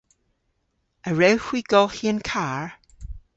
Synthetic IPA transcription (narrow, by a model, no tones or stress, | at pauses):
əɹɛwhwiɡ̥ɔlˠhiənkʰaɹ